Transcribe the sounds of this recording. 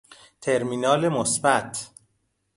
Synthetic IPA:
t̪ʰe̞ɾmiːnɒːlemosbæt̪ʰ

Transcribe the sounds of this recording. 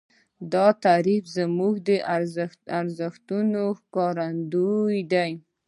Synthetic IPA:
d̪ɑt̪aɾifzəmuɡd̪əʔaɾzaɾzəxt̪unoxkɑɾand̪ojd̪aj

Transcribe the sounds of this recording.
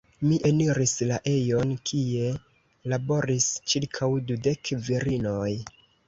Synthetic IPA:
miʔe̞niɾislaʔe̞jo̞nkʰie̞ | labo̞ɾist͡ʃiɾkʰawdude̞kviɾino̞j

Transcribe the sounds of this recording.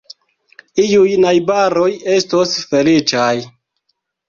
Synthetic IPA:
ijujnajbaɾoje̞stosfe̞lit͡ʃaj

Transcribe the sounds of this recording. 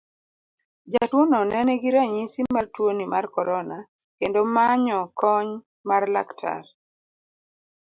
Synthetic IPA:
d͡ʒatwonɔnɛnɛɡiɾaɲisimartwonimarkɔɾɔna | kendomaɲɔkɔɲ | marla̰ktʰa̰r

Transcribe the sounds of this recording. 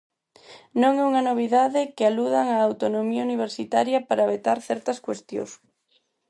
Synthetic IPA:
nõŋɛuŋɐnoβ̞iðaðɪkɪaluðaŋɐːwt̪onomiɐuniβ̞eɾsit̪aɾjɐpaɾaːβet̪aɾθɛɾt̪ɐskwest̪jo̰s

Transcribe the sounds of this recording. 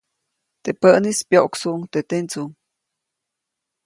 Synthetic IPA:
t̪epəʔnispjoʔoksuʔŋt̪et̪ent͡suŋ

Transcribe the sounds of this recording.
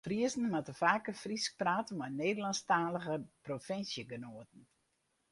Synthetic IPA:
friəsn̩matəfaːkəfrisk̚praːtəmɔneːdəlanstaːləɣəprofɪnsjəɡənoətən̩

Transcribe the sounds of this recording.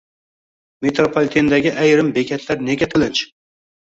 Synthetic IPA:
met̪ɾopʰolʲt̪ʰend̪aɡʲɪʔæjɾɪmbekʲʰat̪ʰlaɾne̞ɡʲat̪ʰɨlˠɪt͡ʃ

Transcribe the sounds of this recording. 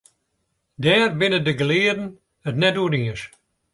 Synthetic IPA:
dɛːrbɪnədəɡəlɪədn̩ | ətnɛdudiəʃ

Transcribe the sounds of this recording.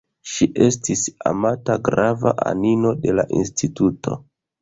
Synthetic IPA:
ʃiʔe̞stisa̰mataɡɾava̰ʔa̰nino̞de̞laʔinstitutʰo̞̰

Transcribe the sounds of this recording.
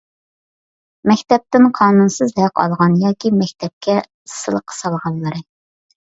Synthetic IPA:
mɛkʲt̪ɛp̚t̪ɪnqʰɑːnunsɨzhæqɑ̰lˠʁɑnjɑːkʲimɛkʲt̪ʰɛp̚kʲɛ | sːɨlˠəqʰːə̥sɑlˠʁɑlˠːɨɾɨ

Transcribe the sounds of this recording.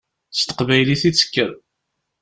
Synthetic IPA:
st̪ə̥qvæjliθit͡sːə̥kːəɾ

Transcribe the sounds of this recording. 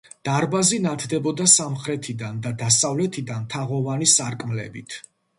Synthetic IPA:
d̪̥aɾbazinat̪ʰd̪ɛbɔd̪asamχɾɛt̪ʰid̪and̪ad̪asavlɛt̪ʰid̪ant̪ʰaʁɔvanisaɾkʼmlɛ̰bit̪ʰ

